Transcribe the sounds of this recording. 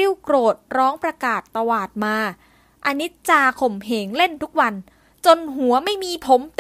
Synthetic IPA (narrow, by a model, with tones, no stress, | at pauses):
i˥˩wkɾoː˨˩t̪̚ɾɔː˦˥ŋpɾa˧kaː˨˩t̪ːa˧waː˨˩t̪̚maː˧ | ʔa˧ni˦˥t̪̚t͡ɕaː˧kʰo˨˩mɦeː˩˦ŋle˥˩nt̪ʰu˦˥k̚wa˧n | t͡ɕo˧nɦu˩˦ɐma˥˩jmiː˧pʰo˩˦mt̪